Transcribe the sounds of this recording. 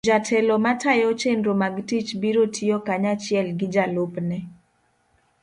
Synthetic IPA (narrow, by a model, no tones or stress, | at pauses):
d͡ʒatʰɛlomatʰajɔt͡ʃendomaɡtit͡ʃbiɾotʰijokaɲat͡ʃɪɛlɡɪd͡ʒalopnɛ